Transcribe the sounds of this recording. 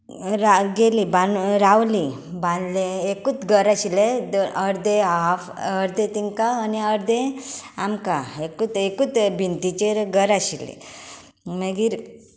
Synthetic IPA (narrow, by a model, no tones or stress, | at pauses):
ɾaɡelibanɾawli | bãnd̪leekut̪ɡəɾaɕiled̪əɾd̪eafəɾd̪ẽt̪iŋkaːniəɾd̪ẽamkaekut̪ekut̪bʱint̪it͡ɕeɾɡəɾaɕilḛ | məɡiːɾ